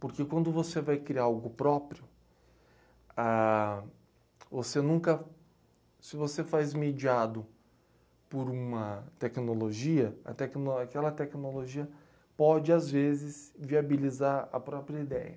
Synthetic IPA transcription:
poɾkekwɐ̃nd̪ʊvosevajkɾiaawɡʊpɾɔpɾiʊ | a | vosenũkɐ | sɪvosefazmed͡ʒiad̪ʊ | poɾũmɐt̪ɛknoloʒiɐɐ̰t̪ɛknoakɛlɐt̪ɛknoloʒiɐ | pɔd͡ʒɪazvezɪsviabilizaɾɐ̰pɾɔpɾiɐid̪ɛjɐ̰

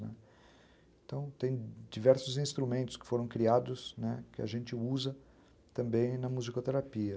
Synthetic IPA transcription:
nɛ̰ | ẽt̪ɐ̃w̃t̪ẽj̃d͡ʒivɛɾsʊzĩst̪ɾumẽnt̪ʊ̥skɪ̥foɾɐ̃w̃kɾiad̪ʊsnɛkɪa̰ʒẽnt͡ʃɪuzɐ | t̪ɐ̃mbẽj̃nɐmuzikot̪eɾapiɐ

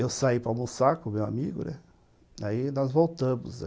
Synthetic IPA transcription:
ewsaipɾawmũsakʊmewa̰miɡʊnɛ̰̃ | d̪ainɔzvowt̪ɐ̃mʊz

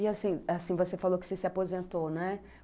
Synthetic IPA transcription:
iasĩasĩvosefalokɪ̥sesɪapozẽnt̪onɛ

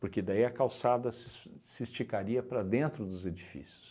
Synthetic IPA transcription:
poɾked̪aiɐkawsad̪ɐsɪ | sɪist͡ʃikaɾiɐpɾɐd̪ẽnt̪ɾʊd̪ʊzed͡ʒifḭsjʊ̥s

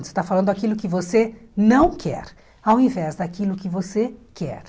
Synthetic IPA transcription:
ʊ̥se̥t̪afalɐ̃nd̪ʊakilʊkɪvosenɐ̃w̃kʰɛ̰ɾ | awĩvɛzd̪akilʊkɪvosekɛ̰ɾ

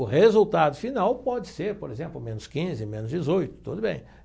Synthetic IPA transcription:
ʊɦezuwt̪ad̪ʊfinawpɔd͡ʒɪseɾpoɾezẽmplʊmẽnʊskĩzɪmẽnʊzd͡ʒɪzojt̪ʊ̥t̪od̪ʊbḛ̃j̃

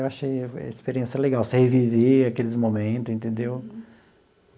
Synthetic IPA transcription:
ewaʃej̰ispeɾiẽsɐleɡawsɪheviveakelɪzmomẽt̪ʊzẽnt̪ẽnd̪ew

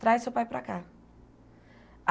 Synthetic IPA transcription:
t̪ɾajsupajpɾa̰ka | ʔ

